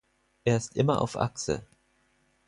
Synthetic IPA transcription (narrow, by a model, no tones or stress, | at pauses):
ʔeːɐɪstʔɪmɐʔa̰ʊfʔa̰ksə̰